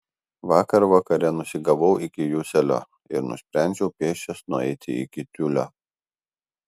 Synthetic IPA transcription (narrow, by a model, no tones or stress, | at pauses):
ʋɑːkɐɾʋɐkɐɾʲɛnʊsʲɪɡɐʋɔʊʔɪkʲɪjusʲɛlʲo̰ː | ɪ̰ɾnʊ̰sʲpʲɾʲæˑnʲd͡ʒʲɛʊpʲeːʃʲt͡ʃʲɛsnʊɛ̰ɪt̪ʲɪɪ̰kʲɪt̪ʲʊlʲoː